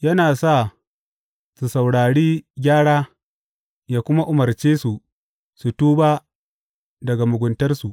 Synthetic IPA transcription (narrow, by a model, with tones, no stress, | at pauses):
jɐ˦naː˨sa˦˨ | su˨sa˨wɽaː˨ɽiː˦ɡʲaː˦ɽaː˦ | jaː˨kʷʊ˦ma˦ʔʊ˨mɐ˨rt͡ʃeː˦su˨ | su˨tuː˦baː˦ | dɐ˨ɡa˨mʊ˨ɡʷʊ˨ntɐ˦rsu˨